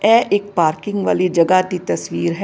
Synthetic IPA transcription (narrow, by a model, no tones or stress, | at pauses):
ɛːʔɪk̚paːɾkɪ̃ŋɡʋa̰ːlid͡ʒɐɡad̪it̪ɐsʋiːɾɦɛ